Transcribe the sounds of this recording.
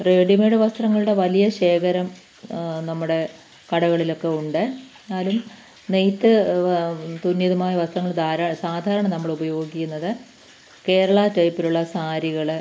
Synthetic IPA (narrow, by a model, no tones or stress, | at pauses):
reːɖimeːɽɨʋɐst̪rɐŋːɐɭuɽe̞ʋɐlijɐɕe̞ːkɐɾɐm | nɐmːuɽe̞ | kɐɽɐɣɐɭilo̞kːe̞uɳɖɨ | nːaːlum | nejt̪ːɨ | t̪unːjiðɐmaːjɐʋɐst̪rɐŋːɐɭd̪aːɾɐsaːd̪ʱaːɾɐɳɐmnɐmːɐɭubɐjo̞ːɡikʲːunːɐðɨ | ke̞ːɾɐɭaːtːɐjpːiluɭːɐsaːɾiɣɐɭ